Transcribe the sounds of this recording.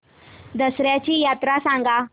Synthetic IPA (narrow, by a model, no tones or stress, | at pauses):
d̪əsɾjat͡ɕiːjat̪ɾasãŋɡa